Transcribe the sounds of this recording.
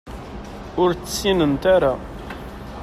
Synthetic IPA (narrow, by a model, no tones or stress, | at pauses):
ʊɾt͡sːsːinənt̪aɾa